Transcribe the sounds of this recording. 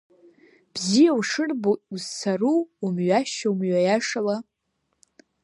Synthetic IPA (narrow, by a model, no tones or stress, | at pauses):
b̥zijawʂɨrboʔuzsʰaruːmɥaʃaumɥajaʂala